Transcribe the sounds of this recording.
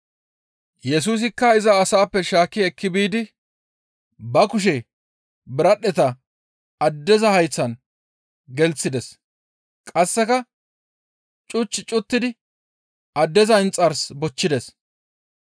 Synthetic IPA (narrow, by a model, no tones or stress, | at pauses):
jɛs̬uːs̬ɪkːɐɪzɐːsaːpːɛʃaːkːɪɛkːɪbiːd̪ɪ | bɐkʊʃ̬ɛ | bɪɾɐɗɛt̪ɐ | ɐd̪ːɛzɐhɐjt͡sːɐn | ɡɛlt͡sːɪd̪ɛs | kʼɐsːɛkɐ | t͡ʃʼʊt͡ʃːɪt͡ʃʼʊt̪ːɪd̪ɪ | ɐd̪ːɛzɐɪnt͡sʼːɐɾsbɔt͡ʃːɪd̪ɛs